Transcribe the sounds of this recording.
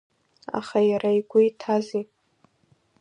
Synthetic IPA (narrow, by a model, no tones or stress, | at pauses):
a̰χajaɾaiɡʷʊitʰazi